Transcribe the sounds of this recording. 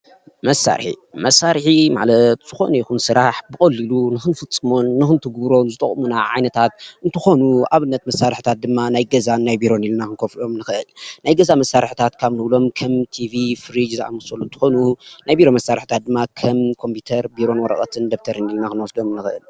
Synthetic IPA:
mɐsːa̰ɾħḭmɐsːaɾħima̰ʕlɐt̪z̥ɨxo̞̰nɐjikunsɨɾaħbɨkʼɐlːɨlunɨxɨnfɨt͡sʼːɨmo̞nːɨxɨnt̪ʰɨɡbɾo̞nzɨt̪ʼɐ̰χʼmunaʕa̰jnɐt̪ʰat̪ɨnt̪ʰɨxo̞nuaβɨnːɐt̪mɐsːaɾɨħt̪ʰat̪̚d̪ɨmːanajɡɐzannajbiɾo̞nilnakɨnkʰoflo̞mnɨxɨʔɨlnajɡɐzamɐsːaɾħt̪ʰat̪kʰaβnɨβlo̞mkʰɐmt̪ʰivifɨɾid͡ʒza̰mɨsolːunt̪ʰɨ̥xo̞nunajbiɾo̞mɐsːaɾħit̪ʰat̪̚d̪ɨmːakʰɐmkʰo̞mpit̪ʰɐɾbiɾo̞nwɔɾɐ̰χʼɐ̰t̪ʰɨnd̪ɐft̪ʰɐɾɨnilnakɨnwɔsd̪o̞mɨnːɨxɨʔɨ̰l

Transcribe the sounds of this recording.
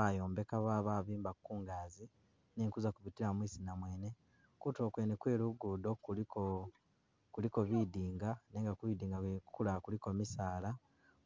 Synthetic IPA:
ajo̞ːmbe̞kaβaːβaːβiːmbakuːŋɡaːzi | neːŋkuzakuβitiɾamwiːsinamwe̞ːne̞ | kuto̞ːkwe̞ːnekwe̞ːɾuɡuːdo̞kuliko | kuliko̞βidiːŋɡaneːŋɡakuid̪iːŋɡakulakuliko̞misaːla

